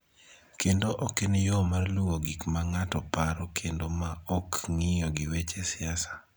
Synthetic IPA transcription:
kendoʔɔkenjomarluwoɡikmaŋatɔpaɾɔkʰendomaɔkŋɪjɔɡɪwet͡ʃesɪasḁ

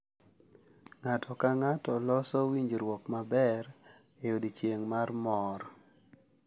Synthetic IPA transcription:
ŋatʰɔkaŋatɔlɔsɔwiɲd͡ʒɾwɔkmabɛɾ | ejodit͡ʃjeŋmarmɔɾ

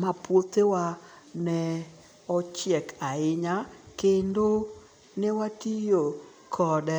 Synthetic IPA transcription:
mapwot̪ewa | nɛ | ɔt͡ʃjɛkʰaɪɲakendo | nɪwatijo | kʰɔdɛ

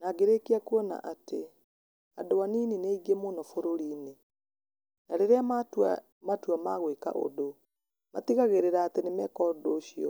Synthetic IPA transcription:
naɡeɾekiakuɔna̰ʔate | adowaninineiɡemonɔfoɾoɾiːne | naɾeɾeamat | matuamaɣweka̰ʔo̰do | mat̪iɣaɣeɾeɾaːtenemɛkɔdoɕiɔ̰

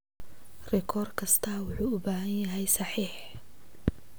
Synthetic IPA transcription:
rɛkʰɔːrkʰɐst̪ʰɐwʊħuːʊbaːɦɐnjɐɦɛjsɑħiːħ

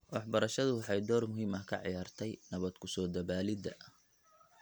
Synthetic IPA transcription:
wɑħbɐɾɐʃɐðʊwɑħɑjd̪ɔːrmʊɦiːmɐhkʰɐ̰ʕḭjaːrt̪ʰɛjnɐβɐd̪kʰʊsɔːd̪ɐβaːlɪd̪ɐʔ

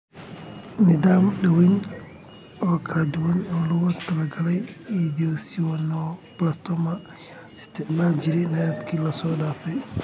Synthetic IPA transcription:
nɪðaːmɗɐwɛn | ɔːkʰɐlɐd̪ʊwɐnɔːlʊɣɐt̪ʰɐlɐɡɐlɛjiːd̪iɔsɪɔnɔblɐst̪ʰɔmɐ | ɪst̪ʰɪʕmaːlt͡ʃɪɾɛjnɐjɐd̪kʰiːlɐsɔːɗaːfɛj

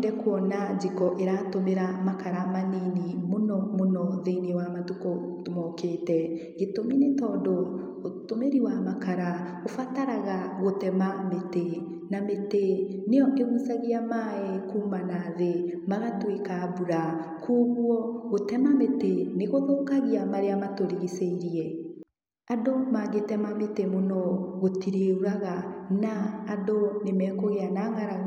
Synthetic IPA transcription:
dɛkwɔnad͡ʒikɔʔeɾatomeɾamakaɾamaninimonɔmonɔðenwamatukɔmɔkeːtɛ | ɣetominetɔːdɔ | otomeɾiwamakaɾa | ofataɾaɣaɣotɛmamete | nameteneɔʔeɣusaɣeamaɛkuːmanaðe | maɣatwekabuɾa | kuːɣwɔɣotɛmameteneɣoðoːkaɣeamaɾeamatoɾiɣiseiɾiɛ | adomaːɡetɛmametemonɔɣotiɾeuɾaɣanaːdonemɛːkoɣeanaŋaɾaɣ

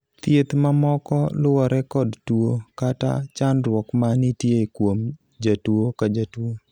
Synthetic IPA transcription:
t̪jet̪mamɔkɔlʊwɔɾɛkɔdtwokata̰t͡ʃanɾwɔkmanitjeikwom | d͡ʒatwokad͡ʒatuo

